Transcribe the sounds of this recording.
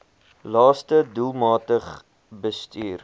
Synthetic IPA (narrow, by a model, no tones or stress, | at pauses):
lɑːstədulˠmɑːtəχ | bəstyːr